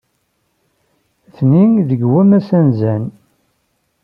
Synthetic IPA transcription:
θniðəɡwæmæsænzæn

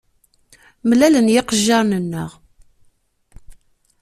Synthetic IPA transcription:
mlælənjɪqəʒːɑɾˤnənːə̰ʁ

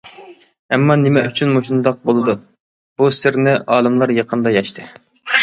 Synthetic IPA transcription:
ɛmːɑnɪmɛyt͡ʃʰynmuʃund̪ɑq̚bolˠɨd̪u | b̥usɪɾnɪʔɑːlˠɨmlˠɑɾjɑqʰənd̪ɑjɑʃt̪ʰɨ

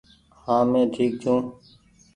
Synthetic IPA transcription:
hãːmẽːʈʰiːk̚t͡ʃʰũː

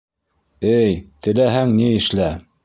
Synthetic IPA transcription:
ɘjt̪ɘ̆læɦæŋniɘ̆ʃlæ

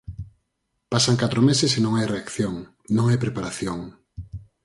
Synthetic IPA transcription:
pasaŋkat̪ɾomesɪsenõŋajreakθjoŋ | nõŋajpɾepaɾaθjoŋ

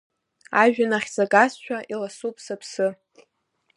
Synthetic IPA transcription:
aʒᶣanaχʲzaɡasʃʷᶣʰaʔilasupʰʼsapʰsɨ

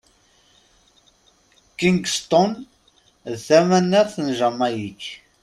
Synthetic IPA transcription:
kiŋɡst̪ɔn | ðθæmænːəɾθənʒəmæjiç

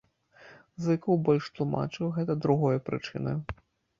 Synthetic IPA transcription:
zɨkɐwbɔlʲʂt̪lˠuma̰t͡ʂɨwɣɛt̪ɐd̪ɾuɣɔjɐpɾɨ̰t͡ʂɨ̰nɐ̰

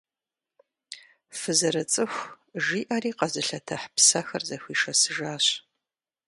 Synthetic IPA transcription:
fɨzɐɾɐt͡sʼɨxʷ | ʒiːʔɐriːqɐzɨɬɐtʰɐħpsɐxɐrzɐxʷiːʃɐsɨʒaːɕ

